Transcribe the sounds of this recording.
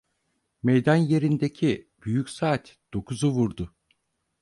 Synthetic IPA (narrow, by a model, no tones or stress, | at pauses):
mejd̪anje̞ɾind̪ecʰib̥yjycsaːt̪d̪̥o̞kʰuzuvuɾd̪ʊ